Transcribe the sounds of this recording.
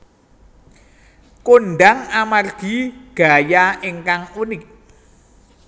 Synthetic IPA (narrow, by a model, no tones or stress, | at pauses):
konɖaŋamarɡ̥i̤ɡ̥a̤jaeŋkaŋunɪk̚